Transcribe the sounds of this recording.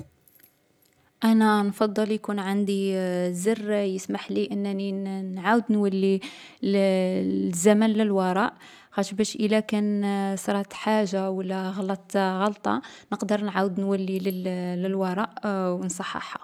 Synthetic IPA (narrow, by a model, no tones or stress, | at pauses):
ʔænænfɑd̪ˤːəljkunʕand̪izərːjəsmaħliʔənːæninʕawəd̪nwælːi | l | zːæmænləlwɑɾˤɑʔ | xæʃbæʃʔəlækænsɾˤɑt̪ħaʒːawəlːæɣɑlɑt̪ˤɣɑlt̪ˤɑ̰nəqd̪əɾˤnʕawəd̪nwælːilələlwɑɾˤɑʔwnsˤɑħːɑ̰ħɑ̰